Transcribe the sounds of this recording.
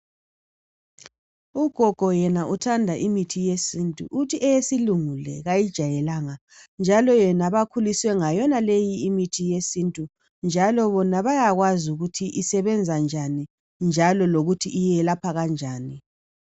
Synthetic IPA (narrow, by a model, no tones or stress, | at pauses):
uɡ̥ʱɔɡ̥ʱɔjɛnaʔutʰandʱaʔimitʰijesintʼṵʔutʰiʔɛjesiluŋulɛ̰ɣajid̥ʒ̥ʱajɛlaŋa | nd͡ʒʱalɔjɛnaβakʰuliswɛŋajɔnalejiːmitʰijesintʼu | nd͡ʒʱalɔβɔnaβajaɣwazuɣutʰiʔisɛβɛnd͡zʱand͡ʒʱani | nd͡ʒʱalɔloɣutʰiʔːjɛlapʰaɣand͡ʒʱaːni